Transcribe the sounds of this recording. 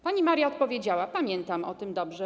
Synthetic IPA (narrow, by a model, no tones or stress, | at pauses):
paɲimaɾjaɔt̪̚pɔvʲjed͡ʑawapamʲjɛnt̪amɔt̪ɘmd̪ɔbʐɛ